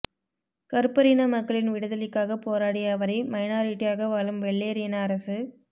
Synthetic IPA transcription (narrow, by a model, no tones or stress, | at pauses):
kɐɾɯpɐɾinɐmɐkːɐɭɪnʋɪɽɐðɐlɪkːaːɣɐpoːɾaːɽɪjaːʋɐɾɐɪmɐɪnaːɾiʈːɪjaːɣɐʋaːlɯmʋɛɭːeːɾinɐːɾɐsɯ